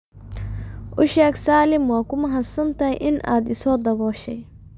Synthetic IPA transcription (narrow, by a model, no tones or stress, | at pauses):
ʔʊʃɛːksaːlɪmwaːkʊmɐɦɐsɐnt̪ʰɐhɛ̰jʔɪnʔa̰ːd̪ɪsɔːd̪ɐβɔːʃɛj